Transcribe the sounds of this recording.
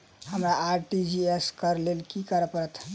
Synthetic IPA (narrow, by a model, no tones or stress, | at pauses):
həmɾaːɾʈid͡ʒieskəɾlelkikəɾəpəɾət̪ʰ